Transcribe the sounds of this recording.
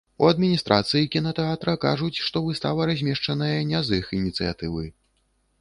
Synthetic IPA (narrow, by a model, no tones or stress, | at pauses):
uɐd̪̚mʲinʲist̪ɾʔa̰t̪sɨjikʲinɐt̪ɛat̪ɾɐka̰ʐut͡sʲʂt̪ɔvɨst̪avɐɾazʲmʲɛʂt͡ʂɐnɐjɐnʲazɨxinʲit̪sɨja̰t̪ɨvɨ